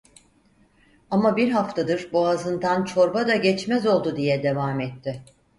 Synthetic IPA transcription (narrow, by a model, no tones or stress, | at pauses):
amabiɾɦaft̪ʰad̪ɯɾbuazɯnd̪ant͡ʃʰo̞ɾbad̪aɟɛt͡ʃmɛzo̞lˠd̪ud̪ijɛd̪e̞vaːmɛt̪ʰːɪ